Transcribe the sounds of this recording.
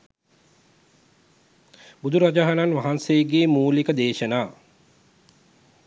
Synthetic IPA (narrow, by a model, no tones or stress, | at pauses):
bud̪uɾad͡ʒaɦananʋaɦanseːɡeːmuːlikəd̪eːʃənaː